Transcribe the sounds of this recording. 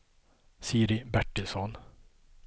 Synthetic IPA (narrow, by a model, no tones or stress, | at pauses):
siːɾɪbæʈːɪlsɔn